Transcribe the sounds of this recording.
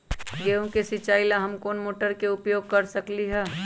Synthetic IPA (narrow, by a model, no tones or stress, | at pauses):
ɡeːõkesɪt͡ʃaːɪlaɦɐmkoːnmoːʈəɾkeʊpjoːɡ̚kɐɾsəkliɦɛː